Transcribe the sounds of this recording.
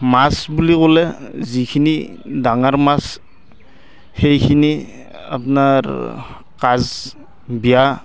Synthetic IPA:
masbuliɡɔlezikʰinidaŋaɾmas | hejkʰini | a̰pnaɾ | kaz | bija

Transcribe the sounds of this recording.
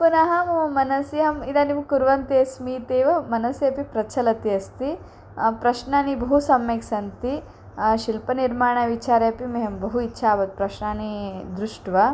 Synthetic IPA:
punɐɦɐmmːɐnɐsiɐmid̪aːnimkuɾʋɐnt̪eɐsmiːt̪eːʋɐmɐnɐsjɐpipɾɐt͡ʃʰɐlɐt̪iɐst̪i | pɾɐʃnaːnibɐɦusɐmːeksɐnt̪i | ʃilpɐniɾmaːɳɐʋit͡ʃaːɾjɐpimeɦɐmbɐɦuitːʃʰaːʋɐt̪̚pɾɐʃnaːnid̪ɾuʂʈʋɐ

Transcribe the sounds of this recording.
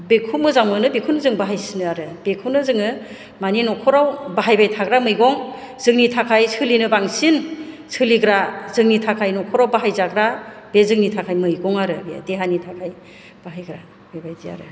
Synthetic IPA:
bekʰumɯzaŋmɯnɯbekʰuwnɯzɯŋbaɦajsinɯaɾɯbekʰɯwnɯzɯŋɯ | maninɔkʰɔɾawbaɦajbajtʰaɡɾamɯjɡɔŋ | z̥ɯŋnitʰakʰajsʰɯlinɯbaŋsin | sɯliɡɾazɯŋnitʰakʰajnɔkʰɔɾawbaɦajzaɡɾab̥ezɯŋnitʰakʰajmɯjɡɔŋaɾɯbḛdeɦanitʰakʰaj | b̥aɦajɡɾa | b̥ebajzia̰ɾɯ

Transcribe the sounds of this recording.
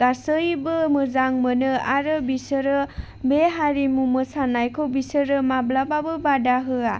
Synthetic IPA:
ɡasɯjbɯmɯzaŋmɯnɯaɾɯbisɯɾɯ | beɦaɾimumɯsanajkʰowbisəɾɯmablababɯbadaɦɯa

